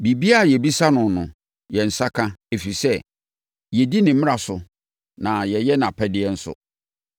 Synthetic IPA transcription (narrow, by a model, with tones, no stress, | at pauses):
bi˨bi˦a˦˨jɛ˨bi˦sa˦nʊ̃˨nʊ̃˨ | jɛ˨n̩˨sa˦kʰã˦e˨fi˨sɛ˦ | jɛ˨di˦nɪ̃˨mɪ̃˦a˨sʊ˨ | nã˨jɛ˨jɛ˦nã˨pʰɛ˦dɪ˦ɛ˦n̩˦sʊ̰˨